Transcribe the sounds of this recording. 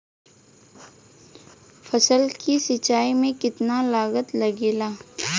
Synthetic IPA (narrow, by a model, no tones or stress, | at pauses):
fɐsəlkisɪt͡ʃaːimẽkɪt̪nalaːɣət̪lɐɡeːlaː